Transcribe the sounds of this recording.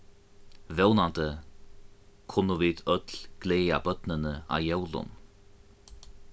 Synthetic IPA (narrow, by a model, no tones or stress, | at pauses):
vɛwnant̪ə | kʰʊnːəviːt̪œt̪lɡ̥leːa̰bœt̪nənəa̰jɛwlʊ̰n